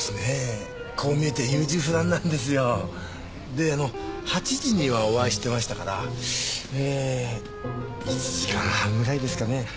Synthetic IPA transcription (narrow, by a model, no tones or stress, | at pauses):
sɨne̞ | kʰo̞ːmʲie̞t̪ejɯːʑɨːɸɯ̟d̪ãnːãnd̪e̞s̬ɨjo̞ | d̪e̞ano̞hat͡ɕiʑiɲ̟iβao̞βaiɕi̥t̪e̞maɕi̥t̪akaɾa̰ | eː | it͡ɕiʑikã̰ɰhãŋɡɯ̟ɾaid̪e̞sɨ̥kane̞